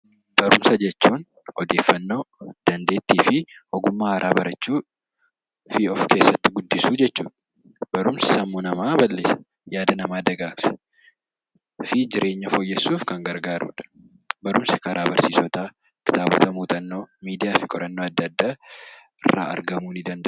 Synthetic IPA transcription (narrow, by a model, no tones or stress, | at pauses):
b̥ɐɾʊmsɐd͡ʒɛt͡ʃːuːn | ɔd̪e̞ːfːɐnːo̞ːd̪̥ɐnd̪e̞ːt̪ːiːfɪɔɡʊmːaːhɐɾʔaːbɐɾɐt͡ʃːuː | fiːɔfkeːsːɐt̪ːɪɡʊd̪ːɪsuːd͡ʒɛt͡ʃːuːᶑɐ | bɐɾʊmsɪ̥sɐmːuːnɐmaːbɐlːeːsɐ̥ | jaːd̪ɐnɐmaːd̪ɐɡaːksɐ̥ | fɪd͡ʒɪɾʔe̞ːɲːɐfɔjːɛsːuːfkɐŋɡɐɾɡaːɾṵːᶑɐ̥ | bɐɾʊmsɐ̥kɐɾʔaːbɐɾsiːsɔt̪aː | kɪ̥t̪aːbɔ̰t̪ɐmuːt̪ʼɐnːoːmiːd̪ɪjaːfɪkʼɔɾɐnːo̞ːɐd̪ːɐd̪ːaː | ɪrːa̰ːɐ̰ɾɡɐmuːnɪd̪ɐnd̪ɐʔ